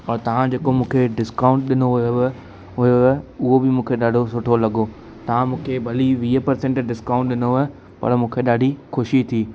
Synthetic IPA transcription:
ɔːɾt̪ɐʋ̤ãd͡ʑeːkomũːkʰeɖɪskaːʊ̃ɳʈ̚ɗɪnoɦʊo | ʊjoʊɦobɪmũːkʰeɗaːɖʱosʊʈʰolɐɠo | t̪ɐʋ̤ãmũːkʰebʱɐliʋiːəpɐɾsẽːɳʈɖɪskãːʊ̃ɳʈɗɪno | pɐ̰ɾmũːkʰeɗaːɖʱixʊʃit̪ʰiː

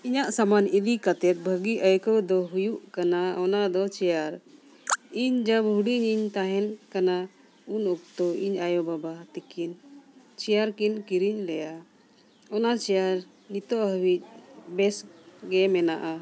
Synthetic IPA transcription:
iɲaʔsamanid̪ikat̪ɛt̪̚bʱəɡiʔəjkɔwd̪ɔɦujuʔkanaɔnad̪ɔt͡ʃɛjaɾ | iɲd͡ʒabɦuɖiɲiɲt̪aɦɛnkana | unɔk̚t̪ɔiɲajɔbabat̪ikin | t͡ʃɛjaɾkinkiɾiɲlɛja | ɔnat͡ʃɛjaɾ | nit̪ɔʔɦəwic̚bɛsɡɛmɛnaʔa

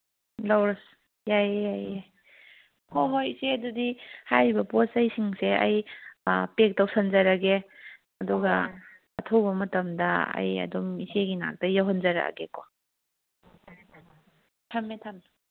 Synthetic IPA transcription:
lawɾas | jajjajaj | hoɦojiseɐdudihaɾibɐposɐjsiŋseɐ̰j | pek̚tawsɐnzɐɾɐɡe | ɐduɡɐ | ɐtʰɐwbɐmɐtɐmdɐɐ̰jɐ̰dumiseɡina̰k̚dɐjaɦɔnzɐɾa̰ɡeko | tʰɐmetʰɐm

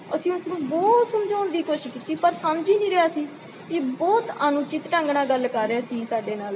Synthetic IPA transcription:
əsĩːʊsnũːbɔːt̪səmd͡ʒaːnd̪iːkoːʃɪʃkiːt̪iːpəɾsəmd͡ʒiːnĩːɾɪaːsiː | kɪbɔːt̪ənʊt͡ʃɪt̪ʈə̃ŋɡɳãːɡəlkəɾːeaːsĩːsaːɖeːnaːl

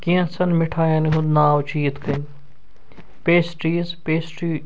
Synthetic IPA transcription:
kiɐ̃sɐnmɪʈʰaːjãniɦũd̪naːut͡ʃiːt̪kʰɐnʲ | peːsʈɾiːzpeːsʈiː

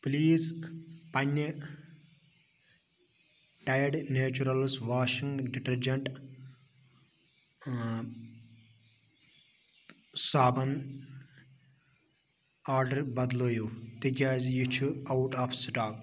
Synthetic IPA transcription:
pliːzpɐnʲːɐ | ʈajɐɖneːt͡ʃuɾɐlsʋaːʃĩŋɡɖiʈɐɾd͡ʒɐɳʈ | saːbɐn | aːɾɖɐɾbɐd̪loːjut̪ikʲaːzjut͡ʃʰuawʈaːfsʈaːk

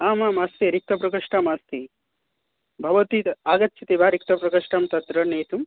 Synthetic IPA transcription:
aːmaːmast̪iɾik̚t̪ɐpɾɐkɐʂʈamast̪i | bʱɐʋɐt̪it̪aːɡɐt̪ːt͡ʃʰit̪ibʱaːɾikt̪ɐpɾɐkɐʂʈamt̪ɐt̪ɾɐneːt̪um

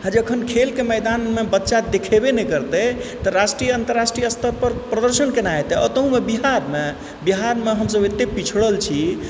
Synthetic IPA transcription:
ɦãd͡ʒəkʰənkʰelkemɛjd̪anmebətːʃad̪ekʰebenɛkəɾt̪ɛt̪əɾasʈɾijəənt̪əɾːasʈɾijəəst̪ʰəɾpəɾpɾəd̪əɾsənkenaet̪ɛə̰t̪əɦũmebiɦaɾme | biɦaɾmeɦəms̬əbet̪ːepit͡ʃʰəɽəlt͡ʃʰi

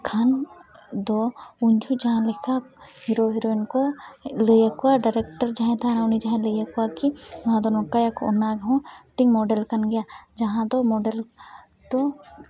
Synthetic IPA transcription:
kʰan | d̪oʊnd͡ʒʰud͡ʒɐɦãlɪkʰaɦɪɾoɦɪɾoinkolejakuwaɖaɾekʈəɾd͡ʒɐɦɛ̃t̪ʰanãʊnid͡ʒɐɦɛ̃lejɐkʊakiʋãd̪onokajako̰naɡɦõʈɪŋɡmoːɖelkɐnɡɪjad͡ʒɐɦãd̪omoːɖel | t̪o

